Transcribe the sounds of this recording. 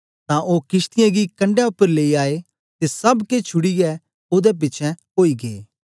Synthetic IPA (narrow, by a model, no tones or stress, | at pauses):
t̪ãʔoːkɪst̪ɪjãɡikɐ̃ɳɖjɛʊpːəɾleːiaːe | t̪esɐbket͡ʃʰʊɽiɡɛ | oːd̪ɛp̬ɪt͡ʃʰɛ̃ | oːiɡeː